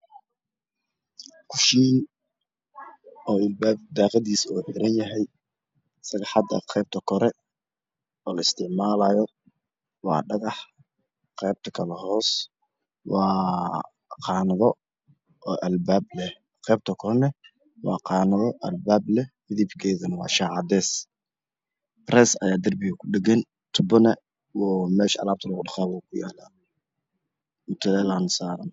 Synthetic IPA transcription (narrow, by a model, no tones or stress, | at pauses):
kʰʊʃiː | ɔːɪlbaːb̚d̪ɑːqɑðiːsuːħɪɾɐnjɐɦɛj | sɐɣɐħɑd̪ɐ̰qʰɛːb̚t̪ʰɐkʰɔɾɛ | ɔːlɐɪst̪ʰɪʕmaːlaːjɔ | wɑ̰ːɖɑɣɑħ | qɛːb̚t̪ʰɐ̥kʰɐlɐhɔːs | wɑː | qɑːnɐðɔ | ɔːʔɐlbaːblɛh | qɛːb̚t̪ʰɐkʰɔnɛ | wɑ̰ːqɑːnɐðɔʔɐlbaːblɛ | ɪðibkʰɛːðɐnɐwɑ̰ːʃaːʕɑd̪ɛːs | rɛːsɐjaːd̪ɐrbɪɣɐkʰʊɗɛɣɛn | t̪ʰʊbɔnɐ | wɔːmɛːʃɐ̰laːb̚t̪ʰɐlɣʊɖɑχaːβuːkʰʊja̰ːla | mʊt̪ʰɐlɛlaːnsaːɾɐn